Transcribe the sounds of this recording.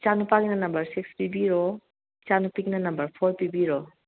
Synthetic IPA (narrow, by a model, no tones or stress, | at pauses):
t͡ʃanupaɡinanambɐɾsikspibiɾɔ | t͡ʃanupiɡinanambɐɾpʰɔɾpibiɾɔ